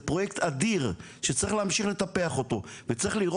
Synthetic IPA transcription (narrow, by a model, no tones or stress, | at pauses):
pʁo̞jekt̪ʰad̪iʁ | ʃet͡saʁiχleːmʃiχlet̪apeaχo̞t̪o̞vet͡saʁiχliʁo